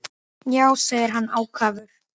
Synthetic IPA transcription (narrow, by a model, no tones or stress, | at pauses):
jaːwseːjðɪɾ̥ɦanːaːwkʰaːvʏɾ̥